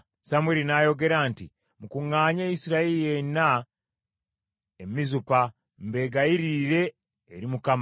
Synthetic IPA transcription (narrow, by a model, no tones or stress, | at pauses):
samweɾinajo̞ɡe̞ɾaːnti | mukuŋːaːɲeisiɾaeɾijena | emizupa | mbe̞ːɡajiɾiɾe̞ː | ɾimukam